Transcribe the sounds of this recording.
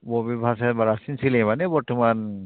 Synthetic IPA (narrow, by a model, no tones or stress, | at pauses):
bɔbibʱasɛbaɹasinsilɛmanɛbɔɹtɔman